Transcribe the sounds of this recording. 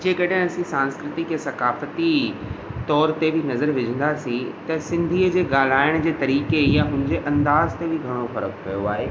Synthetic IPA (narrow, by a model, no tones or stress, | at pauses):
d͡ʑeːkɐɗɪ̃ɐsĩsãːnskɾɪt̪ɪkjasɐkaːfət̪i | t̪ɔːɾt̪ebʱɪnɐzəɾʋɪd͡ʑʱə̃nd̪asĩt̪ɐsɪ̃nd̪ʱiːəd͡ʑeːɡaːl̤aːɪɽ̃d͡ʑeːt̪ɐɾiːkejaɦʊ̃ɪ̃ɲd͡ʑeʔɐ̃nd̪aːzt̪ebʱɪɡʱɐɽ̃ofɐɾəkpɐjoa̰ːɦeː